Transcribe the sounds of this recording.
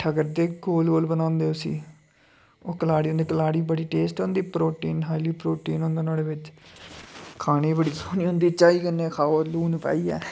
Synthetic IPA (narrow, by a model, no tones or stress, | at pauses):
ʈʰəɡəɾd̪eːɡoːlɡoːlbənãːnd̪eːʊsḭː | oːkəlaːɽiːɦõːnd̪iːkəlaːɽiːbəɽiːʈeːsʈõːnd̪iːpɾoːʈiːnɦaːiliːpɾoːʈiːnɦõːnd̪eːnaːleːʋɪt͡ʃ | kʰaːneːbəɽiːsoːniːɦõːnd̪iːt͡ʃaːiːkənːẽːkʰaːoːluːnpa̰ːiːɛ̰ː